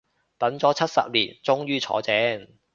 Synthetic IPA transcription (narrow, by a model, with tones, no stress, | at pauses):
t̪ɐ˨˥nt͡sɔː˨˥t͡sʰɐ˥t̚sɐ̰˨p̚lḭː˨˩nt͡sʊ˥ŋjyː˥t͡sʰɔ̰ː˨˥t͡sɛː˨˥ŋ